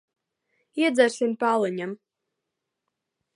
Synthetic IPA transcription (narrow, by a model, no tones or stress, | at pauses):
iɛd̪zæɾsʲimpalˠɨɲam